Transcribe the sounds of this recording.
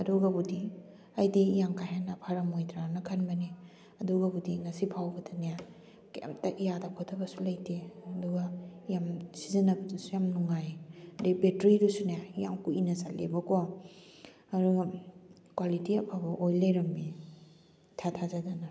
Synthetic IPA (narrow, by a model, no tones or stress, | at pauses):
ɐduɡabudi | ɐjdiːjaŋkaɦenɐpʰaɾɐmojtɾanɐkʰɐnbɐni | ɐduɡɐbudiŋɐsipʰawbɐdɐnaja | ka̰mtɐʔijadakʰɔtʰɐbɐsulɐjtʰeɐduɡajamsizɐnɐbɐdusujamnuŋajdibetɾiɾusunajaijaŋkuinɐsalḛbɐko | ɐduɡa | kwalitiɐpʰabɐʔojlejɾɐmbi | tʰatʰazadana